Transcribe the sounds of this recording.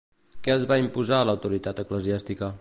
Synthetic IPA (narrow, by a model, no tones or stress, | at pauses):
kɛəlˠzβaimpuzaələwt̪uɾit̪at̪əkləziast̪ikə